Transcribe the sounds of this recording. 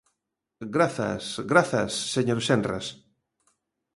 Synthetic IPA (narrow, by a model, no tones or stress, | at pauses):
ɡɾaθa̰sɡɾaθa̰sːeɲoɾsenra̰s